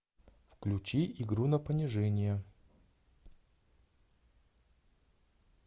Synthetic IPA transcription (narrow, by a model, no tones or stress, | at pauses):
fklʲʉt͡ɕiʔɪɡɾunɐpənʲɪʐɛnʲɪjə